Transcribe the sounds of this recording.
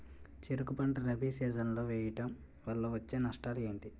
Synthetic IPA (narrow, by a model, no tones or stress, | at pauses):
t͡ʃeɾukupɐɳʈɐlɐbʱiːsiːd͡ʒɐnlo̞ːʋɛːjɐʈɐm | ʋɐɭːoːʋɐt͡ʃːeːnɐʂʈaːlɡeːɳɖ̪i